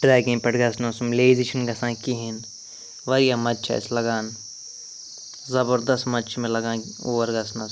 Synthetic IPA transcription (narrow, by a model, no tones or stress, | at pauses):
ɖɾɛːɡĩŋpɐʈɡɐsnɐsumleːzit͡ʃʰinɡɐsãːkiɦin | ʋɐɾjamɐtːt͡ʃʰa̰ːɪ̰slɐɡaːn | zɐbɐɾd̪ɐst̪mɐtːt͡ʃʰmẽlɐɡãː | oːʋɐɾɡɐsnas